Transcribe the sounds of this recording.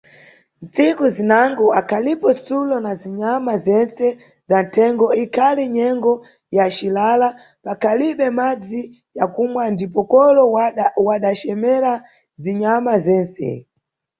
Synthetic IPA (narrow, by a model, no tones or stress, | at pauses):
nt͡sikuzinaŋɡɔakʰalipɔsulɔnaziɲamazɛnsɛ | zan̩tʰɛŋɡɔikʰaliɲɛŋɡɔ | jat͡ʃilala | pakʰaliɓɛmad͡zi | jakumwandipɔkɔlɔwaɗat͡ʃɛmɛɾa | ziɲamazɛːnsɛ̰